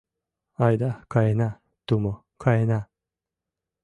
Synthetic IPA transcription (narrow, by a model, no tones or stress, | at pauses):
ajd̪akaena | t̪omo | kʰaena